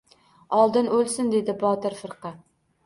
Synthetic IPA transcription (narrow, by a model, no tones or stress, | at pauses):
ɒlˠd̪ɪnɵlˠsɪnd̪e̞d̪ɪbɒt̪ɪɾfɨɾqɑ